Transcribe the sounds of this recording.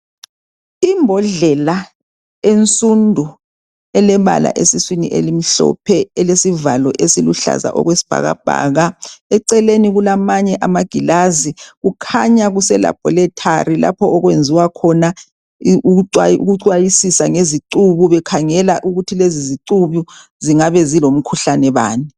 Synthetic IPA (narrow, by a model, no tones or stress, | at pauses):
imbʱɔɮɛla | ent͡sʼundʱu | ɛlɛβa̰la̰ʔesiswinḭʔḛlim̩ɬɔ̰pʰɛɛlesivalɔʔesiluɬa̰za̰ʔɔ̰ɣwesi̥b̥ʱa̰ɣa̰b̥ʱa̰ːɣaɛǀɛleniɣulamaɲɛʔamaɡ̥ʱilaziɣukʰaɲaɣusɛla̰b̥ʱɔlɛtʰarila̰pʰɔɔɣwend͡zʱiwakʰɔna | uaṵɣuǀwajisisaŋeziǀuβuβɛkʰaŋɛlaʔuɣutʰileziziǀuβu | ziŋaβɛzilom̩kʰuɬanɛβa̰ːni